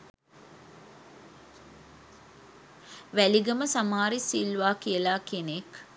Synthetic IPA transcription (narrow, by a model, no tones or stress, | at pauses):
ʋæliɡəməsamaːɾisilʋaːkijəlaːkenek